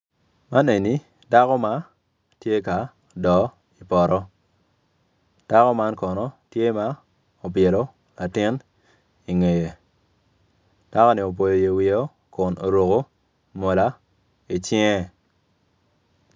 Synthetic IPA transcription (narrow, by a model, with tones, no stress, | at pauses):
ma˦ne˨ni˦ | da˦kɔ˦ma˦ | tje˦ka˨ | dɔ˨ | i˨pɔ˨ɾɔ˦ | d̥a˦kɔ˦ma˦nkɔ˨nɔ˦tje˦ma˦ | o˨bje˨lo˨˦ | la˨tɪ˦n | i˨ŋe˨je˨ | d̥a˦kɔ˦nɪ˨o˨p̬o˨jo˨je˨wi˨o˦ | kʊ˨no̰˨ɾo˨ko˦ | mo˨la˦ | i˨t͡ʃɪ˦ŋɛ˦